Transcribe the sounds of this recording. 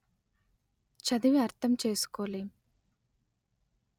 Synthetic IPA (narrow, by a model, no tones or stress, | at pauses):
t͡ʃɐd̪iʋjɐɾt̪ːɐmt͡ʃe̞ːsu̥koːli